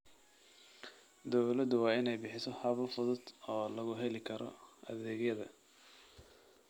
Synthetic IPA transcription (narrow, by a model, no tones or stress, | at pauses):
d̪ɔwlɐd̪ʊwɑːɪnɛjbɪħɪsɔhɐβɐfʊðʊd̪ɔːlɐɣʊɦɛlɪkʰɐɾʔɔ̰ʔɐ̰ðɛːɡjɐðɐ